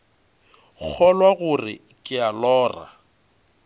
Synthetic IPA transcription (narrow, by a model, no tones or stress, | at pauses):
k͡xʰɔlwaɣʊrɪ̰ | kʼɪalɔːra̰